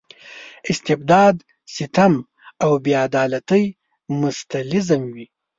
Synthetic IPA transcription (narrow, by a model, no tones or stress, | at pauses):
ɪst̪ɪb̚d̪ɑːd̪ | sɪt̪am | awbead̪ɑːlat̪əj | mʊst̪alɪzamwi